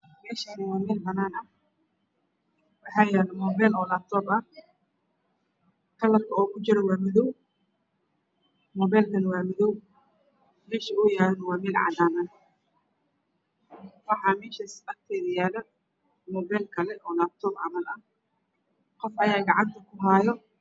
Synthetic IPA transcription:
mɛːʃɐnɪwɑːmɛːlbɐnaːnɐ | wɑħɑːjɛːlɐmɔːbɛlɔːlaːb̚t̪ʰɔːbɐh | kʰɐlɐbkʰɐɔːkʰʊt͡ʃɪɾɛwaːmɪðɔw | mɔːbɛːlkʰɐnɐwaːmɪðɔw | mɛːʃɐʊːjaːɾɐnɐwaːmɛːlʕɑ̰d̪aːnɐn | wɑħɑːmɛːʃɐsqɐb̚t̪ʰɛːðɐjaːlɐ | mɔːbɛlkʰɐlɛʔɔːlaːb̚t̪ʰɔːbʕamɐlɐh | qɔfɐjaːɡɑʕɑnt̪ʰɐkʰʊɦaːjɔ

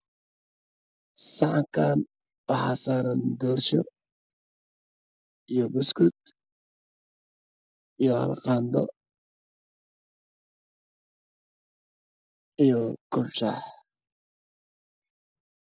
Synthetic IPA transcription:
sɑʕɑŋkʰaːn | wɑħɑːsaːɾɐnd̪ɔːrʃɔ | ijɔbʊskʊd̪ | ijɔhɐ̰lqɑːnd̪ɔ̰ | ijɔɡ̥ʊlʃaːħ

